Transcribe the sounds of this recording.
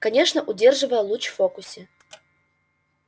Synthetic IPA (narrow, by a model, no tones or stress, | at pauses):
kɐnʲe̞ʂnəʔʊdʲe̞rʐɨvəjəlˠut͡ɕfokʊsʲɪ